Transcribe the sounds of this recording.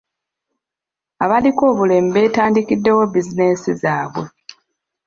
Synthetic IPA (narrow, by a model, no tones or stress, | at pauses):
aβaliko̞ːβule̞ːmbe̞ːtaːndikidːe̞wo̞bizine̞sizaːβwe̞